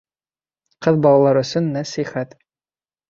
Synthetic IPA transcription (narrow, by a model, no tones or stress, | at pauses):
qɤðbɑlˠɑlˠɑɾɵ̆sɵnːæsiχæt̪